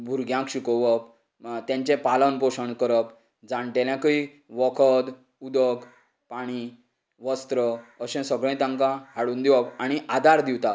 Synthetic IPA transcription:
bʱuɾɡʱjãkɕukɔʋəp | t̪jãɲt͡ɕɛ̃palənpoɕəɳkəɾəp | d͡zãɳʈeljãkəi | ʋɔkʰəd̪ | ud̪əɡ | paɽ̃i | ʋəst̪ɾəəɕɛ̃səɡɭɛ̃t̪ãŋkãɦaɽuːnd̪iwɔpaɽ̃iʔad̪ʱaɾd̪iwt̪a

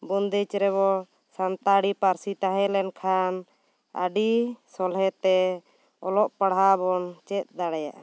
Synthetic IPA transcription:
bund̪it͡ʃɾɛβɔ | sant̪aɽipaɾsit̪aɦɛ̃lɛnkʰan | a̰ɖisɔlɦɛt̪ɛ | ɔlɔʔpaɽɦabɔnt͡ʃɛt̪̚d̪aɽɛja̰ʔa

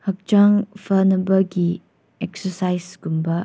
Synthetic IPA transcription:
hək̚d͡ʒaŋfənɐbəɡi | ɛksəsajsɡumbə

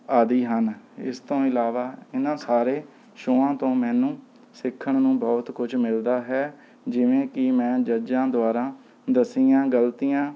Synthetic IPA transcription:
aːd̪iːɦənɪ̰st̪õːɪlaːʋaːɪnãːsaːɾeː | ʃoːãːt̪õːmɛ̃ːnũː | sɪkʰːəɳnũːbɔːt̪kʊd͡ʒmɪld̪aːɦɛː | d͡ʒɪʋẽːkɪmɛ̃ːd͡ʒəd͡ʒãːd̪ʊaːɾãː | d̪əsiːãːɡəlt̪iːjãː

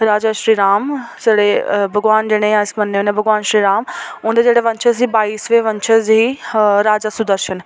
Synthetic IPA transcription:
ɾaːd͡ʑaʃɾiːɾaːmseɽebʱɐɡʋaːnd͡ʑeːɽ̃ẽjãɪsmɐnːeonebʱɐɡʋaːnʃɾiːɾaːmʊ̃ːnd̪ed͡ʑeːɽeʋɐ̃ɲt͡ʃʰəzɦiːbaːiːsʋeʋɐ̃ɲt͡ʃʰəzɦiːɾaːd͡ʒasʊd̪əɾʃən

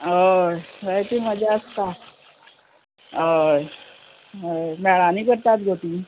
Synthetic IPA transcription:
əjʋəjt̪iməd͡ʑʱaəst̪a | əj | əmɛɭaniːkəɾt̪at̪ɡʱot̪i

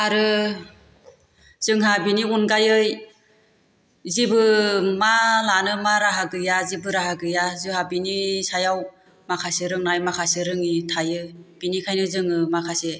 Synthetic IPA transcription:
aɾɯ | z̥ɯŋɦabiniunɡajɯj | zibɯmalanɯmaɾaɦaɡɯjazibɯɾaɦaɡɯjazɯhabinisajaw | makʰasɯɾɯŋnajmakʰasɯɾɯŋitʰajɯb̥inikʰajnɯzɯŋɯmakʰase

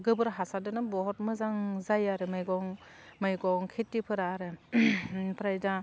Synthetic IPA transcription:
ɡɯbɯɾɦasadɯnɯbɔɦɔt̚mɯzaŋzajaɾɯmɯjɡɔŋ | mɯjɡɔŋkʰitːipʰɯɾaːɾɯ | pʰɾajda

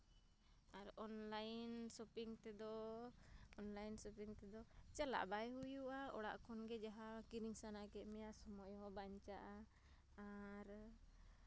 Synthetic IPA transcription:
aɾɔnlajnsɔpiŋt̪ɛd̪ɔ | ɔnlajnsɔpiŋt̪ɛd̪ɔt͡ʃɛla̰ʔbajɦujuʔaɔɽa̰ʔkʰɔnɡɛd͡ʒaɦakiɾiŋsanakɛmɛjaʔsɔmɔjɦɔbaɲt͡ʃaʔaː | ɾ

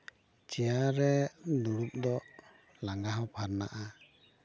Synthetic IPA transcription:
t͡ʃɛjaɾɛnuɽup̚d̪ɔʔ | laŋɡaɦawpʰaɾna̰ʔa

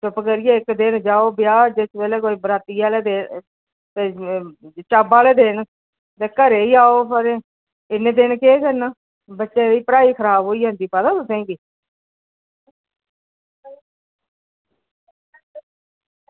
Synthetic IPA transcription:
t͡ʃʊpkəɾijeːɪkd̪ɪnd͡ʒaːoːbɪjaːd͡ʒesʋɛːleːkoːiːbɾaːt̪iːaːleːd̪eː | t̪eː | t͡ʃaːbaːleːd̪eːn | t̪eːkəɾeːiːaːoːpʰəɾeː | ɪnːẽːd̪enkeːkəɾnaː | bətːʃeːʋiːpəɾaːiːkʰəɾaːbɦoːiːɦə̃ːnd̪iːpəd̪aːt̪ʊsɛ̃ːkiː

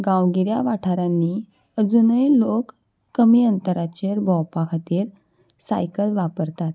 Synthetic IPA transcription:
ɡãwɡiɾjaʋaʈʰaɾanːi | əd͡zunəjlokː | əmiːənt̪əɾat͡ɕeɾbʱɔwpakʰat̪iːɾ | sa̰jkəlʋapəɾt̪at̪

